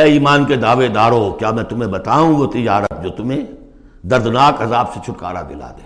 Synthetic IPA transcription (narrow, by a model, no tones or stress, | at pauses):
ɛːiːmaːnked̪aːʋed̪aːɾoːkjaːmɛ̃ːt̪ʊm̤ẽbɐt̪aːũʋot̪ɪd͡ʒaːɾət̪̚d͡ʒoːt̪ʊmẽ | d̪ɐɾd̪naːkɐzaːbset͡ʃʰʊʈka̰ːɾa̰kɪla̰ːd̪eː